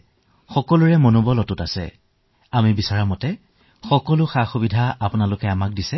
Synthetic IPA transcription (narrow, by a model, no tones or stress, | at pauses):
xɔkɔlʊɹɛmonubɔlɔtʊtasɛ̰ | amibisaɹamɔtɛ | xɔkɔlʊxaxubidʱaapʊnalʊkɛamak̚disɛ